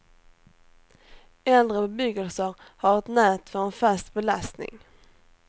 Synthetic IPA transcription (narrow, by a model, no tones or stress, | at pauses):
ɛld̪ɾəbbʏɡəlsəɾ | haɾɛt̪nɛːt̪fœɾɛnfast̪bɛlast̪nɪ̰ŋ